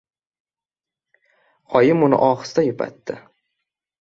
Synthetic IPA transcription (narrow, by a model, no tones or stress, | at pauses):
qʰɒjɪmʊnɪ̰ʔɒχɨ̥st̪ajʊpʰa̰t̪ːɪ